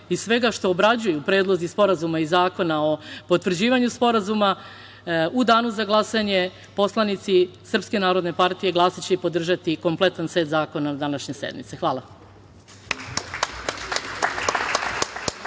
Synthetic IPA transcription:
issʋe̞ɡaʃt̪o̞ːbɾad͡ʑujupɾed̪lˠo̞zispo̞ɾazumaizaːko̞nao̞po̞t̪ʋr̩d͡ʑiːʋaɲuspo̞ɾazuma | ud̪aːnuzaɡlˠasaɲe̞ | po̞slˠanit̪sisr̩pske̞naːɾo̞d̪ne̞paɾt̪ije̞ɡlˠasat͡ɕepo̞d̪r̩ʒat̪iko̞mple̞t̪ansʋe̞ːt̪zaːko̞nad̪anaʃɲe̞se̞̰d̪nḭt̪sexʋaːlˠa

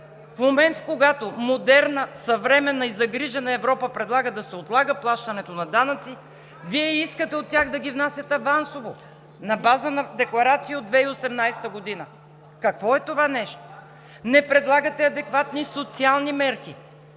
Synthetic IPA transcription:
fmomɛnt̪koɡat̪omod̪ɛɾnəsɐvɾɛmɛnːɐizɐɡɾiʒɛnɐɛvɾɔpəpɾɛd̪lˠaɡəd̪ɐsɛot̪lˠaɡəplˠaʃt̪ɐnɛt̪onɐd̪anɐt̪si | viɛiskət̪ɛot̪ːʲaxd̪ɐɡʲivnasʲjɐt̪ɛvansovo | nɐbazənɐd̪ɛklˠɐɾat̪siːod̪vɛiosɛmnajst̪əɡod̪inə | kɐkvɔɛt̪ovanɛʃt̪o̥ | nɛpɾɛd̪lˠaɡət̪ɛɐd̪ɛkvat̪nisot̪sialˠnimɛɾki

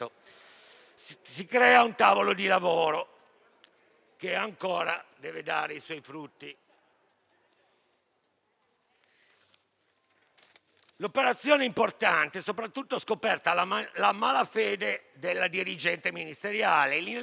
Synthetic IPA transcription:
o | sikɾɛːaunt̪aːvolod̪ilavoːɾo | keaŋkoːɾad̪ɛːved̪aːɾeiswɔjfɾut̪ːi | lopeɾat̪sːjɔːneimport̪ant̪esopɾat̪ːut̪ːoskopɛrt̪alamaːlafɛːd̪ed̪elːad̪iɾid͡ʒɛnt̪eminist̪eɾjaːleli

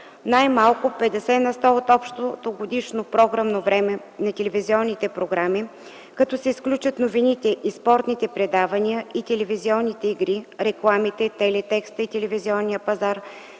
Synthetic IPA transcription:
najmalˠkʊpɛd̪ɛsɛnɐst̪ɔot̪ɔpʃt̪od̪oɡod̪iʃnopɾɔɡɾəmnovɾɛmɛ | nɐt̪ɛlɛviziɔnːit̪ɛpɾoɡɾami | kɐt̪ɔsɛisklʲut͡ʃət̪novinit̪ɛʔispɔɾt̪nit̪ɛpɾɛd̪avɐniəit̪ɛlɛviziɔnːit̪ɛiɡɾiɾɛklˠamit̪ɛt̪ɛlɛt̪ɛkst̪əit̪ɛlɛviziɔnːijəpɐzaɾ

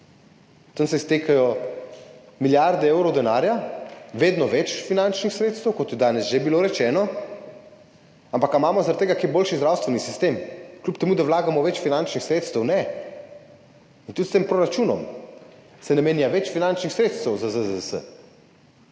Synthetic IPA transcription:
t̪ənsɛist̪eːkajɔ | miljaɾd̪ɛeːwɾɔwd̪ɛnaːɾjaʋeːd̪nɔʋɛt͡ʃfinant͡ʃnixsɾeːt̪st̪əwkɔt̪jɛd̪aːnɛsʒebiloːɾɛt͡ʃɛːnɔ | ampakamaːmɔzaɾat̪t̪eːɡakejboːlʃizd̪ɾaːwst̪ʋɛnisist̪eːmklʲupt̪ɛmuːd̪awlaːɡamɔʋɛt͡ʃfinant͡ʃnixsɾet̪st̪əwnɛ | int̪ut̪st̪eːmpɾɔɾat͡ʃuːnɔ̰m | sɛnɛmeːnjaʋɛt͡ʃfinant͡ʃnixsɾeːt̪st̪əwzazəzəsə̰

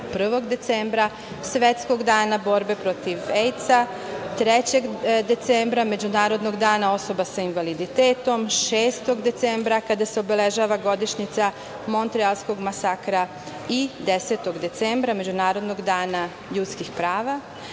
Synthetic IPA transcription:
pr̩ʋo̞ɡd̪e̞t̪seːmbɾa | sʋe̞t̪sko̞ɡd̪aːnabo̞ɾbe̞pɾo̞t̪iʋejt̪sa | t̪ɾet͡ɕeɡd̪e̞t̪seːmbɾame̞d͡ʑunaːɾo̞d̪no̞ɡd̪aːnao̞so̞basainʋalid̪it̪eːt̪o̞mʃeːst̪o̞ɡd̪e̞t̪sembɾakad̪aseobele̞ʒaːʋaɡo̞d̪iʃɲit̪sa | mo̞nt̪ɾialˠsko̞ɡmasakɾa | id̪eset̪o̞ɡd̪e̞t̪seːmbɾame̞d͡ʑunaːɾo̞d̪no̞ɡd̪aːna | ʎut̪skixpɾaːʋa

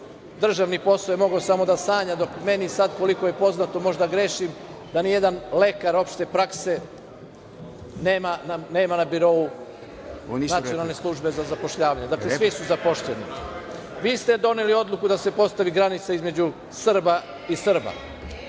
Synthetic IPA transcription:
d̪r̩ʒaʋnipo̞slˠojemo̞ɡosamo̞d̪asaːɲad̪o̞kme̞nisad̪ko̞liko̞je̞po̞znat̪o̞mo̞ʒd̪aɡɾe̞ːʃimd̪anije̞d̪anle̞kaɾo̞pʃt̪e̞pɾakse̞ | neːmanane̞ːmanabiɾo̞u | nat̪ijonalˠne̞slˠuʒbe̞zazapo̞ʃʎaːʋaɲed̪aklesʋisuzapo̞ʃʎeni | ʋiːst̪e̞d̪o̞nelio̞d̪lˠukud̪ase̞po̞st̪aʋiɡɾanit̪saizme̞d͡ʑu | sr̩ba | isr̩ba̰

